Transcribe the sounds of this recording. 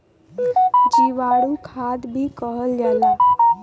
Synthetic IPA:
d͡ʒiʋaɽukʰad̪bʱikəɦəld͡ʒala

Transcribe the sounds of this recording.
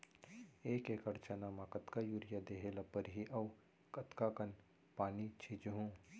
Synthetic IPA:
eːkeːkɐɾt͡ʃanamãːkɐt̪kajuːɾɪjad̪eːɦelɐpəɾɦiʔɐw | kɐt̪kakɐn | paːnit͡ʃʰit͡ʃɦũː

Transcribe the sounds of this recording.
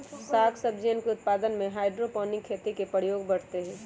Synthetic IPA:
saːkʰsəbd͡ʒenkeʊt̪̚paːd̪ənmẽɦaːɪɖɾopɔ̃ːnɪkʰːeːt̪ikepəɽjoːɡbɐɽ̤t̪eɦɛ̃ː

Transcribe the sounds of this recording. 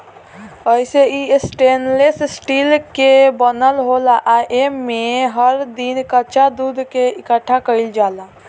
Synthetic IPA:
əɪseisʈeːnlessʈiːlkebənəlɦolaʔaʔemːẽɦəɾd̪inkət͡ʃad̪uːd̪ʱkeɪkəʈʰːakəɪld͡ʒaːla

